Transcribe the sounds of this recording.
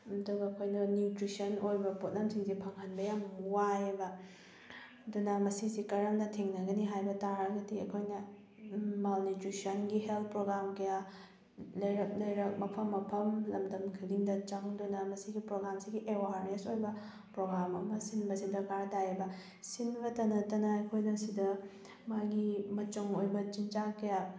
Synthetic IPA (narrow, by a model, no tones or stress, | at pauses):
ɐduɡɐːkʰojnɐnjutɾisɐnojbɐpot̚lɐmsiŋzipʰɐŋhɐnbɐjamwajbɐ | ɐdunɐmɐsizikɐɾɐmdɐtʰiŋnɐɡɐniɦajbɐtaɾɐɡɐdiɐkʰojnɐ | malnitɾisɐnɡiɦelt̪̚pɾoɡɾamkɐja | lɐjɾɐk̚lɐjɾɐk̚mɐpʰɐmːɐpʰɐmlɐmdɐmkʰiliŋdɐt͡ʃɐŋdunɐmɐsiɡipɾoɡɾamsiɡiʔewaɾnesojbɐ | pɾoɡɾamɐmɐsinbɐsidɐkaɾdajɐbɐ | sinbɐtɐnɐtɐnɐɐjkʰojnɐsidɐ | maɡimɐt͡ʃuŋojbɐt͡ʃint͡ʃakɐja